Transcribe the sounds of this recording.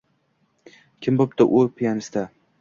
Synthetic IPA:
kʲʰɪmbop̚t̪ɪʔʊpʰijanɪst̪a

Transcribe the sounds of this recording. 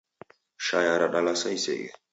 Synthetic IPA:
ʃajaɾaɗalasaisḛɡɛ̰

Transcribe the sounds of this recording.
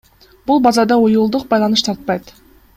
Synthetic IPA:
b̥ulˠbɑzɑd̪ɑujulˠd̪uq̚bɑjlˠɑnɨʃt̪ʰɑɾt̪̚pɑjt̪

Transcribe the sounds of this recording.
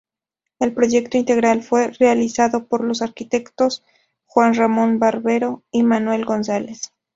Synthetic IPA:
e̞lpɾo̞ʝe̞kt̪oint̪e̞ɣɾalfwe̞realisaðo̞po̞ɾlo̞saɾkit̪e̞kt̪o̞s | xwanramõ̞nbaɾβe̞ɾo̞imanwe̞lɡo̞nsale̞s

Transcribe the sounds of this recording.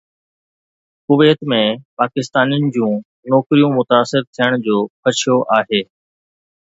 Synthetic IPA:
kʊʋeːt̪mẽpaːkɪst̪aːnijənɪ̆d͡ʑũː | nɔːkɾijũmʊt̪aːsɪɾt̪ʰijəɽ̃d͡ʑoːpʰɐt͡ʃʰijoʔaːɦeː

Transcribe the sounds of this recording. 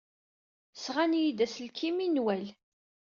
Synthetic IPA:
sʁanjid̪æslkʰiminwæl

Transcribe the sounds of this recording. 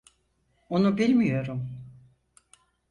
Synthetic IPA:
onubilʲmijo̞ɾum

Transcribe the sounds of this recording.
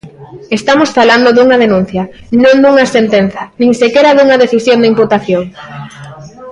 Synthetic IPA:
est̪amosfaland̪oðuŋɐðenũn̟θjɐ | nõnd̪uŋɐsent̪enθɐnĩŋsekeɾaðuŋɐðeθisjõnd̪ɪimput̪aθjoŋ

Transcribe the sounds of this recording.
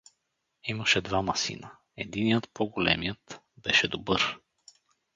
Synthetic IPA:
iməʃɛd̪vamɐsḭnə | ɛd̪inijət̪pɔɡolɛ̰mijət̪ | bɛʃɛd̪obɤɾ

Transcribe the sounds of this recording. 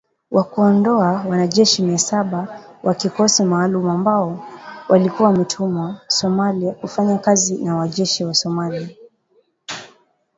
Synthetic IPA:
wʔakuɔndɔawanaʄɛʃimiasaɓawʔakikɔsimaːlumuambaɔwalikuwamitʰumasɔmaliakufaɲakazinawaʄɛʃiwasɔmalia

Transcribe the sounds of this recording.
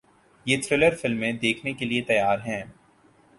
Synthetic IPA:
jeːt̪ʰɾɪləɾfɪlmẽd̪eːkʰnekeliet̪ɐjaːɾɦɛ̃ː

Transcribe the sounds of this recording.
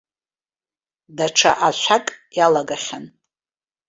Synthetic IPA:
daʈ͡ʂʰa̰ʔaʃʷʰakʼjalaɡaχʲan

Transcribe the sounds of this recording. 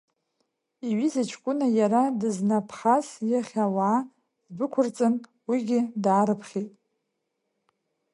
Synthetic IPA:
iɥizat͡ʃʰkʷʼʊnajaɾadɨznapʰχasjaχʲawaː | zbɨkʷʰʊrt͡sʼɨn | wiɡʲɪdaːɾɨpʰχʲetʼ

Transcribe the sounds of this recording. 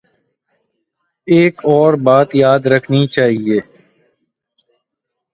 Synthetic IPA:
eːkɔːɾbaːt̪jaːd̪ɾəkʰnit͡ʃaːɦieː

